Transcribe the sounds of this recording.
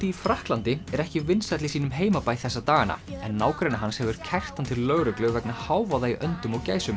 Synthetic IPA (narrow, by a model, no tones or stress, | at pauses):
t̪iifɾahklant̪ɪɛɾɛhcɪvɪnsat̪lɪsiːnʏmɦeːjmapaːjθɛsːat̪aːɣanːa̰ɛnːaːwkɾajnaɦanshɛvʏɾ̥cʰɛr̥t̪ant̪ʰɪlːœɣɾʏklʏɣvɛknahaːwvaðaiʔœnt̪ʏmɔɣca̰ːjsʏm